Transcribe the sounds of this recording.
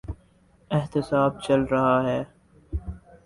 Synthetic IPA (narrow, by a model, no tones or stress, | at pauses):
ɪɦt̪ɪsaːb̚t͡ʃɐlɾɐɦaɦɛː